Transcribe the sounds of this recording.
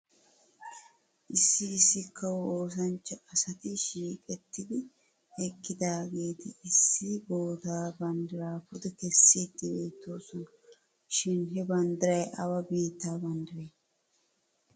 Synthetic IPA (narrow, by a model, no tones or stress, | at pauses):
ʔɪsːɪɪsːɪkːɐwoːs̬ɐnt͡ʃːɐɐsɐt̪ɪʃiːkʼɛt̪ːɪd̪ɪ | ɛkʼːɪd̪aːɡeːt̪ɪɪsːɪɡoːt̪aːbɐnd̪ɪɾaːfʊd̪ɛkɛsːiːd̪ːɪbeːt̪ːo̞ːsɔnɐ | ʃɪnɦɛbɐnd̪ɪɾɐjʔɐwɐbiːt̪ːaːbɐnd̪ɪɾeː